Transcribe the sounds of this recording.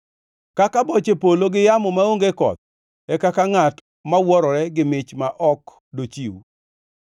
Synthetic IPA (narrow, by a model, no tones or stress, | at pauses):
kakabɔt͡ʃepoloɡɪjamɔmaoŋɡekɔ̰t̪̚ | ɛkakaŋat | mawɔɾɔɾɛɡɪmɪt͡ʃmaʔɔk | dot͡ʃiwu